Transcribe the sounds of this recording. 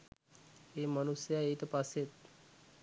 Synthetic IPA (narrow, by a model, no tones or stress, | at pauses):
emənusjaet̪paset̪